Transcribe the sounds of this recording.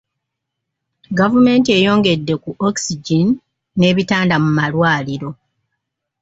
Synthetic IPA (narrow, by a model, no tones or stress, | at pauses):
ɡavume̞ːntie̞ːjo̞ːŋɡe̞dːe̞kuʔoksiɟinː | e̞ːβitaːndamumalwaːliɾo̞